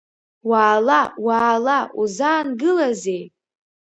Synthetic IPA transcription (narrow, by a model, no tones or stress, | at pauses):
waːlawaːlaʔuzaːnɡɨlazej